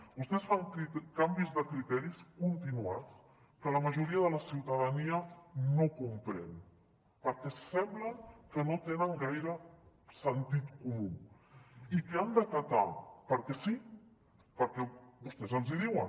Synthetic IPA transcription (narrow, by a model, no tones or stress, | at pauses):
bust̪ɛsfaŋkɾikambizðəkɾit̪ɛɾiskunt̪inuat͡s | kələməʒuɾiəðələsiwt̪əðaniənokumpɾɛ̰n | pəɾkɛsɛmbləŋkənot̪enəŋɡajɾə | sənt̪it̪kumu | ikeand̪ək̪at̪a̰pəɾkɛsi | pəɾkɛbust̪ɛzəlˠziðiwən